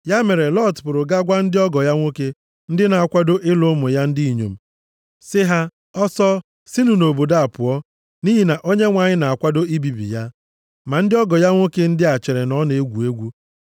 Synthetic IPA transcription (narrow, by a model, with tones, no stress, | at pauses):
ja˦me˨ɾe˨lɔ˦˨tpʊ˨ɾʊ˨ɡa˦ɡʷa˦n̩˦dɪ˦ɔ˦ɡɔ˨ja˦ŋʷo˦ke˦ | n̩˦dɪ˦na˨a˨kʷa˦do˦ʔɪ˦lo˦mʊ˨ja˦n̩˦dɪ˦i˨ɲo̰˨m̩˨ | sɪ˦ɦa˦ | ɔ˦sɔ˦ | sɪ˦nu˨no˨bo˨da˦a˨pʊ˨ɔ˦ | ni˦ɦi˨na˨ʔo˦ɲe˦ŋʷa˨ɲɪ˦na˨a˨kʷa˦do˦i˦bi˨bḭ˨ja˦ | ma˨n̩˦dɪ˦ɔ˦ɡɔ˨ja˦ŋʷo˦ke˦n̩˦dɪ˦a˨t͡ʃe˨ɾe˨nɔ˦ne˨e˦ɡʷu˨e˦ɡʷu˦